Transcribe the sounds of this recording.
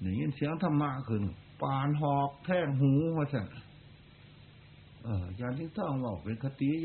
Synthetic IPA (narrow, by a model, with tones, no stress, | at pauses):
na˨˩˨ŋi˧˥˨nsi˨˦əŋt̪ʰa˧mːa˧ʔkʰɯ˧˩˨n˨paː˧nɦɔː˧k̚t̪ʰɛː˧˩k̚ɦũː˧˦hɔ˧˩sa˧˩n˨ | ʔɤː˧˩jaː˧˩ŋt̪ʰi˧t̪ɔ˧˥˩ŋwa˧˩wpe˨˧˦nkʰa˧t̪i˧˦